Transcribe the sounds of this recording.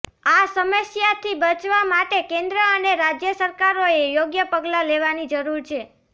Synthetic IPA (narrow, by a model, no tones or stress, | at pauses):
asəməsjat̪ʰibət͡ʃʋamaʈekẽnd̪ɾəəneɾad͡ʒjəsəɾkaɾoejoɡjəpəɡlaleʋanid͡ʒəɾuɾt͡ʃʰe